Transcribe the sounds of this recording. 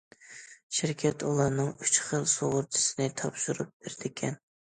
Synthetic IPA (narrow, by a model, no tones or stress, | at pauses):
ʃɪɾkʲʰɛt̪ʰulˠɑɾnɨŋyt͡ʃχəlˠsoʁʊɾt͡ʃ̪ʰɪ̥sɪnɪt̪ʰɑpʃuɾup̚b̥eɾd̪̥ɪkʲʰɛn